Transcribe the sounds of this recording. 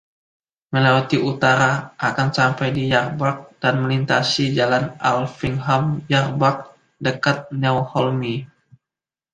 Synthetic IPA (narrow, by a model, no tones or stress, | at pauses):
məlawat̪iʔut̪aɾaʔːkansampajdijarbak̚d̥anməlint̪asid͡ʒalanalfiŋɦamjarbak̚ | dəkat̪̚nawhɔlmi